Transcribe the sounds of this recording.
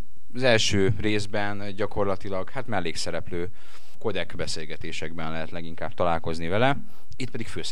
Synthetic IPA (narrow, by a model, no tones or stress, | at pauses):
ɒzɛlʃøːreːzbɛnɟɒko̞rlɒt̪ilɒɡhaːt̪mɛlːeːksɛɾɛpløː | ko̞d̪ɛɡbɛseːlɡɛt̪eːʃɛɡbɛnlɛɦɛt̪lɛɡiŋkaːb̚t̪ɒlaːlko̞znivɛlɛ | it̪̚pɛd̪ikføːs